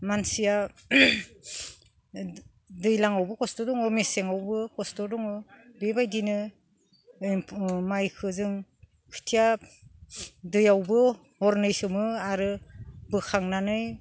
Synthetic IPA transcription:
mansija | dɯjlaŋawbɯkɔstɔdɔŋɯmeseŋawbɯkɔstɔdɔŋɯbebajdinɯ | majkʰɯzɯŋ | kʰɯ̥tʰija | dɯjawbɯ | hɔɾnɯjsɯmɯaɾɯbɯkʰaŋnanɯj

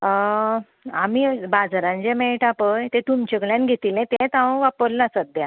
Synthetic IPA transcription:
amibad͡zɾãnd͡ʑemeʈapəjt̪ẽt̪umt͡ɕekɭjãnɡʱet̪ilẽt̪ẽt̪ãʋə̃ʋapəɾlasəd̪ja

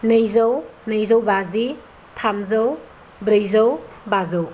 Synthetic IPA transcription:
nɯjzɐwnɯjzowbazi | t̪ʰamzɐw | bɾɯjzɐw | bazow

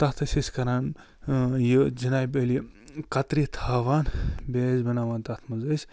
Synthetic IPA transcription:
t̪ɐt̪ʰɨsisʲkɐɾaːn | jid͡ʒinaːjbeli | kɐt̪ɾit̪ʰaːʋaːnbeːzbɐnaːʋaːnt̪ɐt̪ʰmɐzɐsʲ

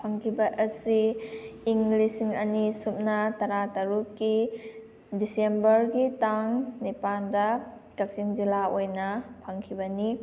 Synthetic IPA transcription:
pʰaŋkʰibɐʔɐsiː | ŋɡlisiŋɐnisup̚nɐtɐɾatɐɾukːi | disembɐɾɡitaŋnepandɐkɐk̚siŋzilaojnɐpʰaŋkʰibɐni

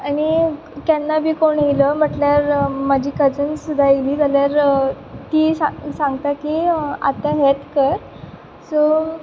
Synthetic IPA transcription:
aɽ̃i | kanːabʱiːkoɳiləm̤əʈljaɾmad͡ʑʱiːkəd͡zənsud̪ʱːajeliːd͡zaljaɾ | t̪iːsasãŋɡt̪akia̰t̪aɦet̪kəɾ | so

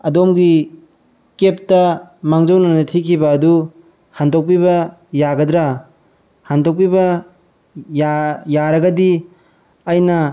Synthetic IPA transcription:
ɐdomɡi | kep̚tɐmaŋzownɐnɐtʰikʰibɐːdu | handok̚piβɐjaɡɐdɾa | handok̚pibɐ | jajaɾɐɡɐdi | ɐjnɐ

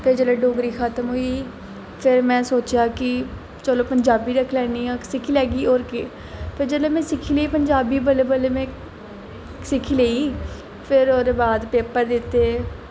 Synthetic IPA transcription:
pʰɪɾd͡ʒeːleːɖoːɡɾiːxaːt̪əmɦoːiː | pʰɪɾmɛ̃ːsoːt͡ʃjaːkɪ | t͡ʃəːloːpəɲd͡ʒaːbiːɾəkʰlɛːniːãːsɪkʰiːlɛːɡiːoːɾkeː | pʰɪɾd͡ʒəːleːmɛ̃ːsɪkʰiːleiːpəɲd͡ʒaːbiːbəleːbəleːmɛ̃ː | sɪkʰːiːleːiː | pʰɪɾoːɾebaːd̪peːpəɾd̪ɪt̪ːeː

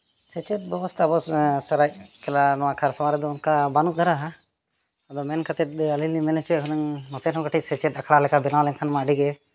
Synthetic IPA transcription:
sɛt͡ʃɛt̪̚bɛbɔst̪ʰabɔsəɾac̚kɛlanɔwakʰaɾsamaɾɛd̪ɔunkabanuʔ̚d̪ʱaɾaɦa | əd̪ɔmɛnkat̪ɛt̪̚alilnimɛnɛt͡ʃuɛkʰɔnɛŋnɔt̪ɛnɔ̃ɡaʈʰicsɛt͡ʃɛt̪akʰɽalɛkabɛnawlɛnkʰanmaəɖiɡɛ

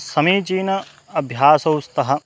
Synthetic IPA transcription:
sɐmiːt͡ʃiːnɐ | ɐbʱjaːsɐwst̪ɐɦɐ

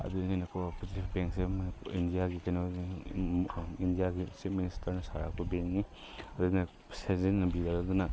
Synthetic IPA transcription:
ɐ̰d̪unijnɐkʰopʰuzitipʰbeŋksemindijaɡikɐno | indijaɡistip̚ministɐɾnɐsaɾak̚pɐbeŋni | ɐd̪unɐ | sezennɐbidaɾɐd̪unɐ

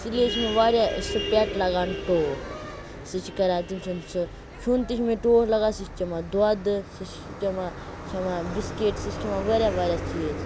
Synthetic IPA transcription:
sileːt͡ʃʰmẽʋaːɾʲjasɨpʲɛʈlɐɡaːnʈoː | sɨt͡ʃʰikɐɾaːt̪imsʰunsɨ | t͡ʃʰunt̪it͡ʃʰmẽʈoːslɐɡaːsit͡ʃt͡ʃɐmad̪uaːd̪ɨsit͡ʃ | t͡ʃɐma | t͡ʃʰɐmabiskeːʈsist͡ʃʰɐmãʋɐɾʲjaʋaːɾʲjaːt͡ʃʰiez

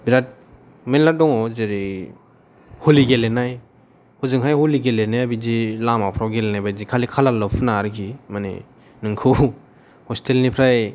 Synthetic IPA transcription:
biɾat̚ | melːadɔŋɔzeɾi | holiɡelenaj | huzɯŋɦajhuliɡelenajabizilamapʰɾawɡelenajbajzikʰalikʰalalɔpʰɯnaɾɯkʰimanḛ | nɯŋkʰɯ | hɔstʰelnipʰɾaj

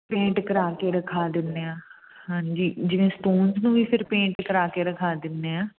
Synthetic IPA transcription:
pẽːɳʈkəɾaːkeːɾəkʰaːd̪ɪnːeːãː | hãːɲd͡ʒiːd͡ʒɪʋẽːsʈoːnznũːʋiːpʰɪɾpẽːɳʈkəɾaːkeːɾəkʰaːd̪ɪnːeːaː

